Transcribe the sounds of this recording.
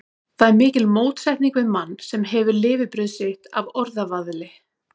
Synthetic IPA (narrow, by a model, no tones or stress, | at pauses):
θaðɛɾmɪːcɪlmoːwt̪sɛjht̪niŋkvɪðmanːsɛmɦɛvʏɾlɪːvɪpɾʏðsɪht̪a̰vɔɾðavaðlɪ